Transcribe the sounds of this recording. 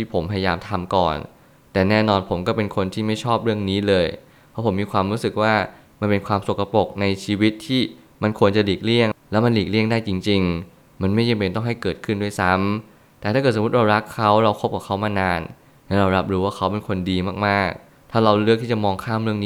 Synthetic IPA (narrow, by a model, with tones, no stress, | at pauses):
t̪ʰiː˥˩pʰo˩˦mpʰa˧ja˧jaː˧mt̪ʰa˧mkɔ̰ː˨˩n | t̪ɛː˨˩nɛː˥˩nɔː˧npʰo˩˦mkɔː˥˩pe˧nkʰo˧nt̪ʰiː˥˩ma˥˩jt͡ɕʰɔː˥˩p̚ɾɯ˥˩əŋniː˦˥lɤː˧j | pʰɔ˦˥pʰo˩˦miː˧kʰwaː˧mɾuː˦˥sɯ˨˩k̚waː˥˩ | ma˧npe˧nkʰwaː˧mso˨˩kːa˧po˨˩k̚na˧jt͡ɕʰiː˧wi˦˥t̪ʰːiː˥˩ | ma˧nkʰu˧ənt͡ɕa˨˩liː˨˩k̚li˥˩əŋlɛː˦˥wma˧nliː˨˩k̚li˥˩əŋdaː˥˩jt͡ɕi˧ŋt͡ɕi˧ŋ | ma˧nma˥˩ja˧mpe˧nt̪ɔ˥˩ŋɦa˥˩jkɤː˨˩t̪̚kʰɯ˥˩ndu˥˩jsa˦˥m | t̪ɛː˨˩aː˥˩kɤː˨˩st̪̚ɾa˧wɾa˦˥kʰːa˦˥wɾa˧wkʰo˦˥p̚ka˨˩kʰa˦˥wmaː˧naː˧n | lɛ˦˥ɾa˧wɾa˦˥p̚ɾuː˦˥waː˥˩kʰa˦˥wpe˧nkʰo˧ndiː˧maː˥˩k̚maː˥˩k̚ | t̪ʰaː˥˩ɾa˧wlɯ˥˩k̪̚ʰiː˥˩t͡ɕmɔː˧ŋkʰaː˥˩˨mɾɯ˥˩əni˦˥